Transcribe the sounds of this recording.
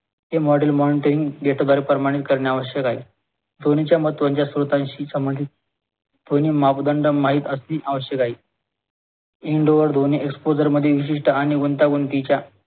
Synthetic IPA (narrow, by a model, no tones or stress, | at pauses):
ɦemɔɽelmɔniʈəɾiŋɡɖeʈad̪aɾepɾəmaɽ̃it̪kəɾɳjaaʋəɕjəkaɦiː | d̪ʱonit͡ɕjam̤ət̪ʋaɲt͡ɕjasɾut̪ãɲɕiːsəməd̪it̪̚ | d̪ʱoniːmapd̪əɳɖəmaɦiːt̪əsniʔaʋəɕjəkaɦiː | iɳɖoʋəɾd̪ʱoniʔekspod͡zəɾməd̪ʱːjeʋiɕ̬iʂʈəaɽ̃iɡunt̪aɡunt̪it͡ɕja